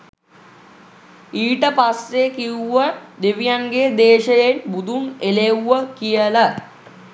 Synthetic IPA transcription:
iːʈəpasːekiuʋəd̪eʋijaŋɡed̪eːʃəjenbud̪ʱunelewəkijələ

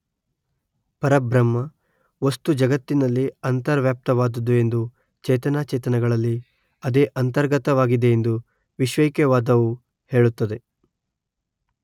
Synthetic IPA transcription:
pɐɾɐbɾɐmːɐ | o̞st̪ud͡ʒɐɡɐt̪ːinɐlːiɐnt̪ɐɾʋjaːp̚t̪ɐʋaːd̪ɐd̪ue̞nd̪u | t͡ʃɛːt̪ɐnaːt͡ʃɛːt̪ɐnɐɡɐɭɐlːi | ɐd̪e̞ːʔɐnt̪ɐɾɡɐt̪ɐʋaːɡid̪e̞end̪u | ʋiʃʋɐjkjɐʋaːd̪ɐʋu | he̞ːɭut̪ːɐd̪e̞

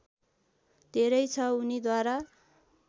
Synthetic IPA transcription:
d̪ʱeɾʌjt͡sʰʌunid̪waɾa

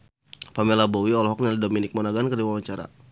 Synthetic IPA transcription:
pamɛlabowiɔlɔɦɔk̚nalidominɪk̚mɔnaɡankərdiwawaɲt͡ʃaɾa̰

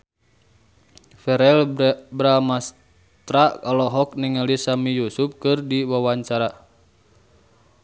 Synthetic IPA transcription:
fɛɾɛlbɾamas | t̪ɾakalɔɦɔk̚niŋalisamijusup̚kɨrdiwawaɲt͡ʃaɾa

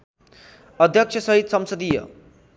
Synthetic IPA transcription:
ʌd̪ʱjʌkt͡ʃʰʌsʌɦit̪sʌmsʌd̪ijʌ̰

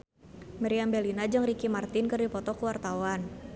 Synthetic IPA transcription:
maɾiambɛlinad͡ʒɨŋrikimart̪ɪnkɨrdipɔt̪ɔkuwart̪awan

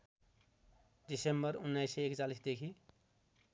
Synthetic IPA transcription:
disembəɾʊnːajseekt͡ʃalisd̪ekʰi

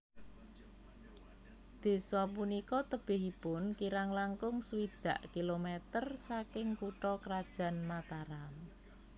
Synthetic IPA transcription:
d̪̥e̤sɔpunikɔt̪əb̥ɪ̤ɦipʊnkiɾaŋlaŋkʊŋsuwid̪̥ä̤ʔkilomɛt̪ərsakɪŋkuʈɔkɾad̥ʒ̥ä̤nmat̪aɾam

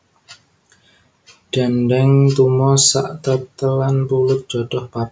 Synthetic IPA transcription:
ɖ̥anɖɛŋt̪umɔsaʔt̪ət̪əlanpulʊt̪̚d͡ʒ̥ɔd̥ɔhpa

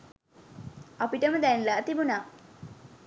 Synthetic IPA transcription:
apiʈəmud̪ænilaːt̪ibunaː

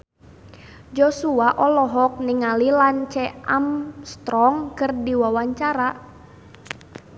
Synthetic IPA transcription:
d͡ʒosuaʔɔlɔɦɔk̚niŋalilant͡ʃɛʔamst̪ɾɔŋkɨrdiwawaɲt͡ʃaɾa

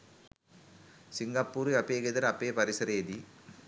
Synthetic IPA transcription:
sɪŋɡɐpːuɾɯɐpːeːɡeðɐɾɐpːeːpɐɾɪsɐɾeːd̪i

